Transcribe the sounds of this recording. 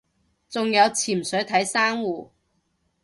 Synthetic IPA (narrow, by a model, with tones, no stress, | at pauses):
t͡sʊ˨ŋjɐ˨˧wt͡sʰiː˨˩m̩˨sɵ˨˥ɥt̪ʰɐ˨˥jsaː˥ŋwuː˨